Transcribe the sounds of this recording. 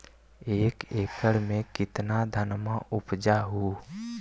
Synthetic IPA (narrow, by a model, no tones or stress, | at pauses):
eːkeːkəɽmẽkɪt̪nad̪ʱənmaʔʊpd͡ʒaɦu